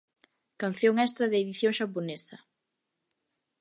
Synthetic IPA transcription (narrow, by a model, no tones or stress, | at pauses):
kan̟θjoŋɛst̪ɾɐðɪːðiθjoŋʃaponesɐ